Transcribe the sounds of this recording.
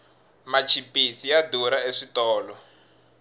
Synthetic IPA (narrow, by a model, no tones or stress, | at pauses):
mat͡ʃʰipisiaduɾaeʂitɔːlɔ